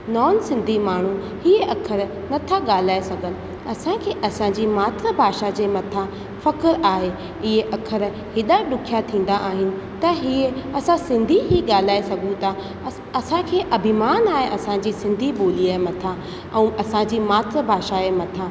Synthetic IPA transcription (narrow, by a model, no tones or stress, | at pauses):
nɔːnsɪ̃nd̪ʱimaːɳ̤u | hieʔɐkʰəɾ | nɐt̪ʰaɠaːl̤aːesɐɡʱənɪ̆ | ɐsãkʰeːʔɐsãd͡ʑiːmaːt̪ɾəbʱaːʃad͡ʑeːmɐt̪ʰa | fɐkəɾaːɦe | ɪɦeʔɐkʰəɾ | hɪɗaɗʊkʰijat̪ʰĩːn̆d̪aʔaːɦɪnɪ̆t̪ɐɦieɐsãsɪ̃nd̪ʱiɦiɠaːl̤aːesɐɡʱũt̪a | ɐsãkʰeːʔɐbʱɪmaːnaːɦeʔɐsãd͡ʑiːsɪ̃nd̪ʱiɓoːliaːemɐt̪ʰa | ɛ̃ːɐsãd͡ʑiːmaːt̪ɾəbʱaːʃaeːmɐt̪ʰaː